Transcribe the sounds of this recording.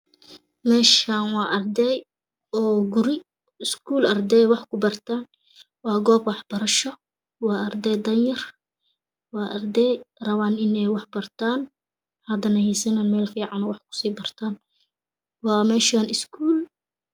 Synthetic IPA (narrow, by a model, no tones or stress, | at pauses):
mɛːʃaːnwɑːʔɐrd̪ɛːj | ɔːɡʊɾɪ | ɪskʰuːlʔɐrd̪ɛːjwɑħkʰʊbɐrt̪ʰaːn | wɑːɡɔːbwɑħb̥ɐɾɐʃɔ | wɑːʔɐrd̪ɛːjd̪ɐnjɐr | wɑːʔɐrd̪ɛːjrɐβaːnɪnɛjwɑħbɐrt̪ʰaːn | hɐd̪ɐnɐjisɐnanmɛːlfiːʕɑnɔwɑħkʰʊ̥siːbɐrt̪ʰaːn | wɑːmɛːʃaːnʔɪskʰuːl